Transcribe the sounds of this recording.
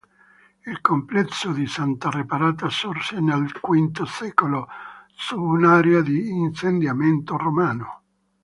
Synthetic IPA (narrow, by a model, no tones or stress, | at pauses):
ilkomplɛt̪sːod̪isant̪arepaɾaːt̪asorsɛnealkwint̪osɛːkolosubunaːɾead̪iːnsend̪jamɛnt̪oromaːno